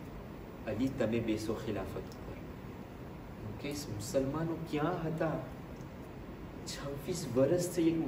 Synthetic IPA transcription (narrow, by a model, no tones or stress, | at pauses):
ɐlit̪ɐmẽbeːsoxɪla̰ːfət̪kə̰ɾ | mũkesmʊsəlmaːnõkjãːɦɐt̪aː | t͡ʃʰɐ̃ʋfiːsbəɾəst̪ʰeeːk